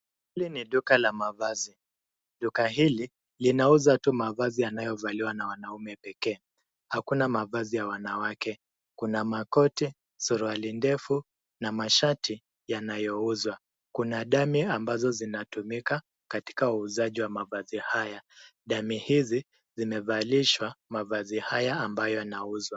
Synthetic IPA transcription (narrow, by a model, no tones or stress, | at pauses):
hiliniɗukalamavazi | ɗukaɦili | linauzatumavazijanajɔvaliwanawanaumɛpɛkɛː | hakunamavazijawanawakɛ | kunamakɔti | suɾualindɛfu | namaʃati | janajɔuzwa | kunaɗamiambazɔzinatumika | kati̥kauːzaʄiwamavazihajaɗamihizi | zimɛvaliʃwamavazihajaːmbajɔjanauzwa